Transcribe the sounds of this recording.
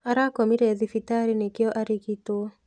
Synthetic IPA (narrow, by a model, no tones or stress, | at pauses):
aɾakɔmiɾɛðifitaɾinekɪɔʔaɾikito